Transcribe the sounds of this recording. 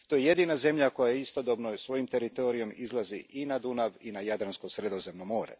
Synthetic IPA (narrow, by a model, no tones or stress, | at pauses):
t̪ojeje̞d̪iːnaze̞mʎako̞jajeist̪o̞d̪obnosʋo̞jimt̪e̞ɾit̪o̞ːɾijo̞mizlˠaziʔinad̪unaʋinajad̪ɾanskosɾe̞d̪o̞zemnomoːɾḛ